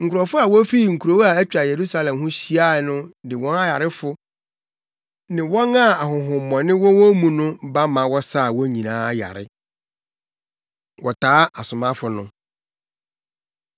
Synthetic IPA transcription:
ŋ̩˨kʰʊ˨ɾɔ˨fʊ˦a˨wɔ˦fi˦˨ŋ̩˨kʰu˨ɾo˨wa˨æ˦t͡ɕᶣa˨je˨ɾu˦sa˦lɛ̃˨mɦʊ̃˦ɕi˦a˦˨nʊ̃˦dɪ˨wɔ̃˦na˦ja˨ɾɪ˦fʊ˦ | nɪ̃˨wɔ˦nã˦˨a˨hʊ̃˨ɦʊ̃˨mːɔ̃˨nɪ̃˦wɔ̃˦wɔ̃˦mũ˦nʊ̃˦ba˦mã˨wɔ˦sa˦˨wɔ˦ɲĩ˨nãː˦ja̰˨ɾɪ̰˦ | wɔ˨tʰaː˨˦a˨sʊ˨mã˦fʊ˨nʊ̃˦

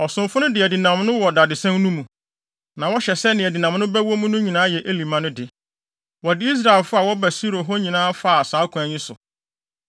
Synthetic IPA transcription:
ɔ˨sʊ̃˨mfʊ˦nʊ̃˦dɪ˨æ˨di˨nã˨mnʊ̃˦wɔ˨da˨dɪ˨sɛ̃˦n˦nũ˦mũ˨ | nã˨wɔ˦ɕɛ˨sɛ˦nɪ̃˨æ˨di˨nã˨mnʊ̃˦bɛ˦wɔ˦mũ˦nʊ̃˦ɲĩ˨nãː˦jɛ˨ʔe˦li˨mã˦nʊ̃˦dɪ˨ | wɔ˨dɪ˦i˦s̬ɾa˦˨ɛ˨lfʊ˦a˨wɔ˦bæ˨si˦ɾo˨ɦɔ˦ɲĩ˨nãː˦fa˦˨saː˨˦kʰʊ̃˨æ˨ɲĩ˦sʊ̰˨

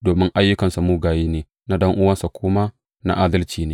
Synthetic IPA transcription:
doː˨mɪ˦ŋʔa˦jːʊ˦kɐ˨nsa˨muː˦ɡaː˨jiː˦neː˨ | na˦dɐ˦ŋʔʊ˦wɐ˦nsa˨kʷʊː˦maː˦ | na̰˦ʔaː˦dɐ˦lt͡ʃiː˨neː˦

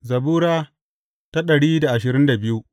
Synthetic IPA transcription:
zɐ˨buː˦ɾaː˦ | ta˦ɗɐ˨ɽiː˦da˨ʔa˨ʃɪ˨ɾɪ˦nda˨bɪ˦ju˦ʔ

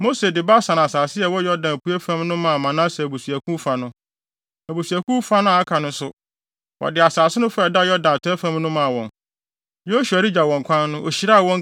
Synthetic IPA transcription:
mo˦se˨dɪ˨ba˦sã˨n˨a˨saː˨sɪ˦ɛ˨wɔ˦jɔ˦dã˨pʰu˦e˦fã˦mnʊ̃˦mã˨mã˨nã˦sɛ˨bu˨su˨æ˨kʰũ˦fa˨nʊ̃˦ | a˨bu˨su˨æ˨kũ˦fa˦nʊ̃˦a˨˦kʰa˨nʊ̃˦sʊ˦ | wɔ̰˨dɪ˨a˨saː˨sɪ˦nʊ̃˦fa˦ɛ˨da˦jɔ˦dã˨n˨tʰɛ˦fã˦mnʊ̃˦mã˨wɔ̃˨n | jo˦ɕu˨a˨ɾɪ˦d͡ʑa˨wɔ̃˨ŋ˨kʷʰã˦nːʊ̃˦ʔɔ˨ɕi˨ɾa˦˨wɔ̃˦ŋ

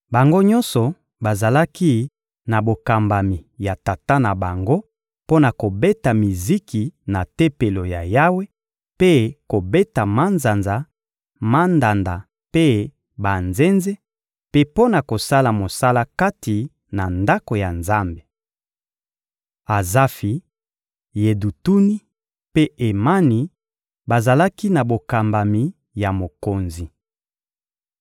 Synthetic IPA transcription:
ba˨ŋɡo˦ɲɔ̃˦nsɔ˨ | ba˨za˨la˦ki˦ | na˨bo˨ka˨mba˨mi˨ja˨ta˨ta˦na˨ba˨ŋɡo˦ | po˦na˨ko˨be˦ta˨mi˨zi˦ki˨na˨te˦pe˨lo˨ja̰˨ja˦we˦ | pe˦ko˨be˦ta˨ma˦nza˨nza˨ | ma˦nda˨nda˨ | pe˦ | ba˨nze˦nze˦ | pe˦po˦na˨ko˨sa˦la˨mo˨sa˦la˦ka˦ti˨ | na˨nda˦ko˨ja˨nza˦mbe˨ | a˨za˦fi˨ | je˨du˨tu˦ni˦ | pe˦e˨ma˦ni˨ | ba˨za˨la˦ki˦na˨bo˨ka˨mba˨mi˨ | ja˨mo˨ko˨nzi˨

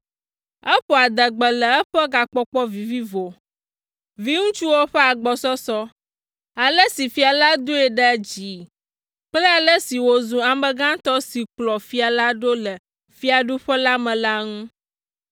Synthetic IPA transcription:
ɛ˦ɸɔ˨a˨d̪ə˨ɡ͡bə˨lə˨ɛ˦ɸə˦ɡa˨k͡pɔ˦k͡pɔ˦vi˨vi˦vo˨ | vi˦ŋũ˦t͡ʃu˦wo˦ɸɛ˦a˨ɡ͡bɔ˨sɔ˦sɔ˦ | a˨lə˦si˨fi˨˦a˨la˦d̪u˦ɛ˨ɖə˦d͡ʑi˨˦ | k͡plə˦a˨lə˦si˨wo˨zũ˨a˨mə̃˨ɡã˦t̪ɔ˦si˨k͡plɔ˨fi˦a˨la˦ɖo˦lə˨ | fi˦a˨ɖu˦ɸə˦la˦mə̃˨la˦ŋũ˦

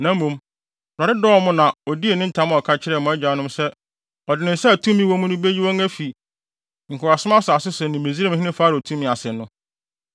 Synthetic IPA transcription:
nã˨˦mːũ˨˦m | bɾa˨ɾɪ˦dɔ˦˨˦mʊ̃˦nã˨ɔ˨di˦e˨nɪ̃˦n̩˦tʰã˨˦m̃˦ɔ˨kʰa˦t͡ɕʰɪ˦ɾɛ˨mʊ̃˨ɛ˦d͡ʑᶣa˨˦nʊ̃˦msɛ˦ | ɔ˨dɪ˨nɪ̃˨n̩˦sɛ˦˨tʰũ˦mːĩ˦wɔ̃˦mʊ̃˦nʊ̃˦be˦ji˦wɔ̃˦ŋæ˦fi˨ | ŋ̩˨kʰʊ˨ɾa˨sʊ˦ã˦sʊ˨a˨sɪ˦sɛ˨nɪ̃˨me˨zi˦ɾa˦m˦hɪ̃˦nɪ̃˦faː˦ɾɪ˨tʰũ˦mːĩ˨a˨sɪ˨nʊ̃˦

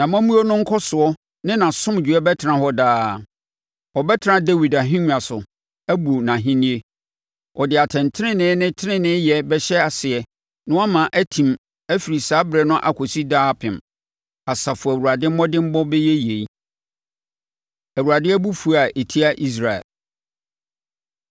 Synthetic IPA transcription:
nã˨mã˦mũ˦o˦nʊ̃˦ŋ̩˦kʰɔ˦sʊ˨ɔ˦ | nɪ̃˦nã˨sʊ̃˦m˨d͡ʑᶣu˨ɛ˦bɛ˦tʰɪ˨ɾã˨ɦɔ˦daː˦˨ | ɔ˨bɛ˦tʰɪ˨ɾã˦de˦wi˨da˨ɦĩ˦ɲ̃˦a˨sʊ˨ | æ˦bu˨nã˨ɦĩ˦nĩ˦e˦ | ʔɔ˨dɪ˨a˨tʰɛ̃˨ntʰɪ˦ɪ̃˦nɪ̃˦nɪ̃˦tʰɪ˦ɪ̃˦nɪ̃˦jɛ˨bɛ˦ɕɛ˦a˨sɪ˨ɛ˨ | nʊ̃˦a˦mã˨ʔæ˦tʰĩ˨m | æ˦fi˨ɾi˨saː˨˦bɾɛ˨nʊ̃˦ʔa̰˨kʷʰo˨si˦daː˦pʰɪ̃˨m | a˨sa˨fʊ˨æ˨wu˨ɾa˨dɪ̃˦m̩˦mɔ̃˦dɪ̃˦m̩˦bɔ˦bɛ˦jɛ˦je˨i˦ | æ˨wu˨ɾa˨dɪ̃˦æ˦bu˦fu˦a˨ʔe˨tʰi˦a˦ʔi˦s̬ɾa˨ɛ̰˨l

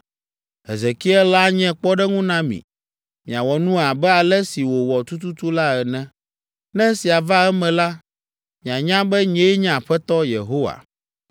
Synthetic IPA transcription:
ɛ̰˨zɛ˨ki˦ɛ˦la˦ɲɛ̃˦k͡pɔ˦ɖɛ˦ŋũ˦nã˦mḭ̃˨ | mĩ˨a˨wɔ˨nũ˦a˨bɛ˦a˨lɛ˦si˨wo˨wɔ˨t̪u˦t̪u˦t̪u˦la˦ɛ˨nɛ̃˦ | nɛ̃˦si˨a˨va˦ɛ˦mɛ̃˨la˦ | mĩ˨a˨ɲã˦bɛ˦ɲɛ̃˦ɲɛ̃˦˨ɸɛ˦t̪ɔ˦jḛ˨ɦo˦wa̰˨

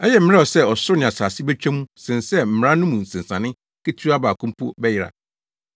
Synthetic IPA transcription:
ɛ˦jɛ˨m̩˦a˦ɔ˨sɛ˦ɔ˨sʊ˦nɪ̃˨a˨saː˨si˦bɛ˦t͡ɕᶣæ˦mũ˦sɪ̃˨nsɛ˦m̩˨m˨ɾã˦nʊ̃˦mũ˨n̩˨sɪ̃˨n˨sã˨nɪ̃˦ | ke˦tʰu˦a˦baː˨kʰũ˦m˦pʰu˦bɛ˦jɪ˨ɾa̰˨

